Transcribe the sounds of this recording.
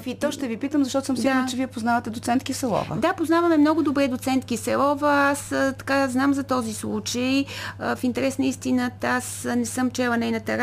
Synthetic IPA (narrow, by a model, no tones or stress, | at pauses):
vit̪ɔʃt̪ɛvipit̪əmzɐʃt̪ɔt̪ʊsəmsiɡɡaɾnt͡ʃɛviɛpoznavɐt̪ɛd̪ot̪sɛnt̪kifsɛlˠɔ̰və̰d̪apoznavɐmɛmnɔɡʊd̪obɾɛd̪ot̪sɛnt̪kisɛlˠɔvəast̪ɐ̥kaznamzɐt̪ɔzislˠut͡ʃəjəfint̪ɛɾɛsnəist̪inət̪asnɛsɤmt͡ʃɛlˠɐnɛjnɐt̪ɛɾ